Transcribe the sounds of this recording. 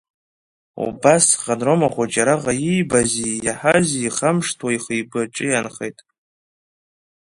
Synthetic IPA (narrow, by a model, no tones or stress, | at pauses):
ṵbasχʼanromaχʷad͡ʒʼaɾaʁajijbazijaħaziːχamʂtʰwaiχəjbɨʈ͡ʂʼɨjanχḛjtʼ